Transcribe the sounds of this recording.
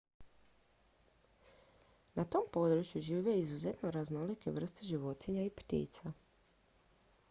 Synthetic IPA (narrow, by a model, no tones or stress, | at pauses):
nat̪o̞mpo̞d̪ɾut͡ʃjuʒiːʋeizuzet̪noɾaznolike̞̰ʋr̩st̪eʒiʋo̞t̪eɲaipt̪ḭːt̪sa